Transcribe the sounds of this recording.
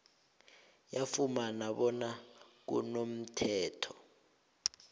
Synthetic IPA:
jafumanaɓɔnak̬ṵnom̩tʰɛːtʰɔ̥

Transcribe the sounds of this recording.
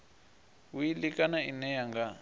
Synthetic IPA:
wujilikʼanainɛjaŋɡa

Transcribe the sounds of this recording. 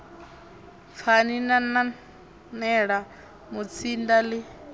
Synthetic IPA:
fʰaninana | nɛɺa | mut͡sʰindalɪ

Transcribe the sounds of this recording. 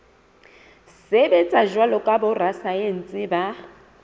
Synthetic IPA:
sɪbɛt͡sʼaʒwalɔkʼabʊrasaen̩t͡sʼɪba

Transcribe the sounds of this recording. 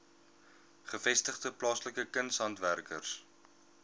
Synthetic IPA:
χəfɛstəχdəplɑːsləkəkənshɐntværkə̰rs

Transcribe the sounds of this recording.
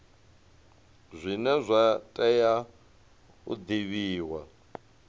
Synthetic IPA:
zʷinɛzʷatʼɛja | ṵd̪iβiːwa

